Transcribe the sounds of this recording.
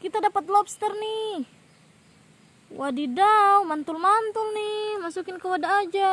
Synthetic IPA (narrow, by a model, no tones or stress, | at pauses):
kit̪adapat̪lɔpst̪ɛrnih | wadidawmant̪ulmant̪ʊlnihmasukɪnkəwadaːd͡ʒa